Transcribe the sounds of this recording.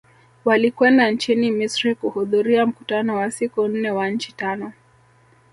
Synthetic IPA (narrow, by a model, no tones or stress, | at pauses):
walikwɛndant͡ʃinimisɾikuhuðuɾiam̩kutanɔwasikun̩nɛwaɲ̩t͡ʃitanɔ